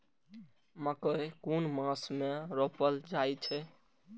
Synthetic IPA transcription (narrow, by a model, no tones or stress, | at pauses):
məkəkunmãsmeɾɔpəld͡ʒajt͡ʃʰɛ